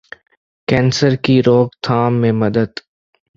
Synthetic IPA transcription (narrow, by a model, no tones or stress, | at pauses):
kɛ̃ːnsəɾkiɾoːɡt̪ʰaːmːẽmɐd̪əd̪